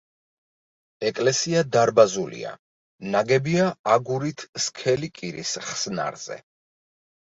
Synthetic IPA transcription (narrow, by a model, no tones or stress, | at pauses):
ɛkʼlɛsiad̪aɾbazulḭa̰ | naɡɛbiaaɡuɾit̪ʰskʰɛlikʼiɾḭsχsna̰ɾz̥ɛ̰